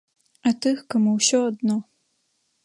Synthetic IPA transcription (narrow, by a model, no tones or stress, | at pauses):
ɐt̪ɨxkɐmuwsʲɔɐd̪nɔ